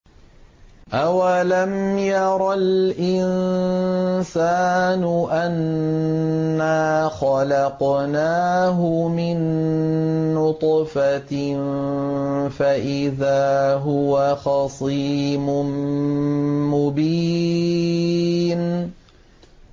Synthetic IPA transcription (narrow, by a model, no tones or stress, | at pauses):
ʔawalamjɑɾˤɑlʔɪn | saːnʊʔanː | aːxɑlɑqnaːɦʊmɪnː | ʊt̪ˤfa | faʔɪðaːɦʊwaxɑsˤiːmʊm | mʊbiː | n